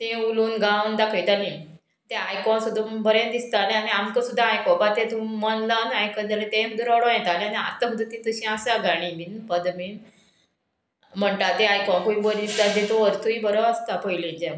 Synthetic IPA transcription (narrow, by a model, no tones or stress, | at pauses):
t̪ẽulũːnɡãund̪akʰəjt̪alĩ | t̪eajkɔ̃nsud̪ʱũmbəɾẽnd̪ist̪aleaniamt̪osud̪ʱːaːjkɔbat̪ẽt̪ũmənlanajkəd͡zalẽt̪ẽm̤əd̪ʱeɾɔɽõjɛt̪alẽania̰ɾt̪ʰəpud̪ʱət̪ĩt̪əɕĩasaɡaɽ̃ĩbinpəd̪min | m̤əɳʈ̪at̪ẽajkɔ̃kuĩbəɾd̪ist̪ad̪ẽt̪oəɾt̪ʰuibəɾɔəst̪apəjlid͡ʑẽ